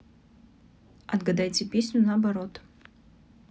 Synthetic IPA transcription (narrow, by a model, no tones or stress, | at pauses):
ɐd̪ɡɐd̪ajtʲɪpʲesʲnʲʊnɐɐbɐɾo̞t̪